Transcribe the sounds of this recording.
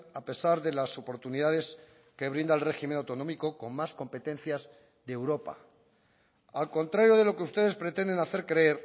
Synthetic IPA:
ape̞saɾðe̞laso̞po̞ɾt̪uniðaðe̞s | ke̞βɾind̪aelre̞ximenawt̪o̞no̞miko̞ko̞nmasko̞mpe̞t̪e̞nθjaz | ðeewɾo̞pa̰ | alko̞nt̪ɾaɾjo̞ð̞e̞lo̞keust̪e̞ðe̞spɾe̞t̪e̞nd̪e̞naθe̞ɾkɾee̞ɾ

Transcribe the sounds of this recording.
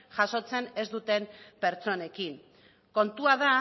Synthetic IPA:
ʝaso̞t͡se̞ne̞zd̪ut̪e̞mpe̞ɾt͡so̞ne̞kin | ko̞nt̪uaða

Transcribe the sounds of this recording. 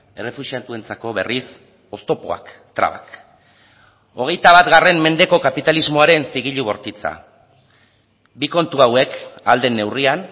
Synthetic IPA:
e̞re̞fusiat̪ue̞nt͡sako̞βe̞ris | o̞st̪o̞po̞̰a̰k | t̪ɾa̰βa̰k | o̞ɣ̞e̞jt̪aβ̞at̪ɡare̞mme̞nd̪e̞ko̞kapit̪alizmo̞aɾe̞nsiɣ̞iʎuβo̞ɾt̪it͡sa̰ | biko̞nt̪uawe̞kald̪e̞nːe̞wrian

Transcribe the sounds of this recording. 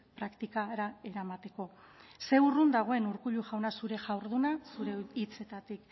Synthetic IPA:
pɾakt̪ikaɾae̞ɾamat̪e̞ko̞ | se̞urund̪aɣ̞o̞e̞nuɾkuʎuʝawnasuɾe̞ʝawɾðunasuɾe̞it͡se̞t̪at̪ik

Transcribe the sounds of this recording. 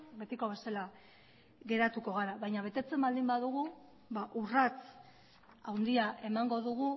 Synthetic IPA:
be̞t̪iko̞βe̞sela | ɣe̞ɾat̪uko̞ɣ̞aɾaβajɲaβ̞e̞t̪e̞t͡se̞mbald̪imbaðuɣ̞u | βaʔurat͡s | awnd̪iaʔe̞maŋɡo̞ðuɣ̞u

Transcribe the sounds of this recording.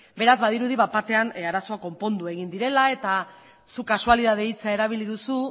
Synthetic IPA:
be̞ɾazβaðiɾuð̞iβapat̪e̞anaɾaso̞ako̞mpo̞nd̪ue̞ɣind̪iɾe̞lae̞t̪a | sukasualiðaðeit͡sae̞ɾaβ̞iliðusu

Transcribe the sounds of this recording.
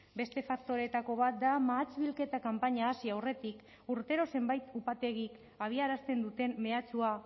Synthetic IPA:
be̞st̪e̞fak̚t̪o̞ɾe̞t̪ako̞β̞at̪̚d̪amaːt͡ʃβilke̞t̪akampaɲaːsiawre̞t̪ik | uɾt̪e̞ɾo̞se̞mbajt̪upat̪e̞ɣ̞ik | aβ̞iaɾast̪e̞nd̪ut̪e̞mːe̞at͡sua

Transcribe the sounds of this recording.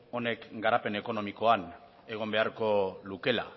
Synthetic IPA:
o̞ne̞kɡaɾape̞ne̞ko̞no̞miko̞an | e̞ɣ̞o̞mbe̞aɾko̞luke̞la̰

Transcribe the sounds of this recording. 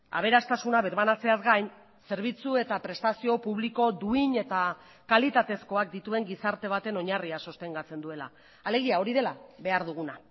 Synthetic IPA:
a̰β̞e̞ɾast̪asunaβiɾβanat͡se̞azɡajn | se̞ɾβ̞it͡sue̞t̪apɾe̞st̪asio̞puβ̞liko̞d̪uiɲe̞t̪a | kalit̪at̪e̞sko̞ak̚d̪it̪ue̞ŋɡisaɾt̪e̞β̞at̪e̞no̞ɲariaso̞st̪e̞ŋɡat͡se̞nd̪ue̞la̰ː | le̞ɣ̞iao̞ɾiðe̞laβe̞aɾð̞uɣ̞una

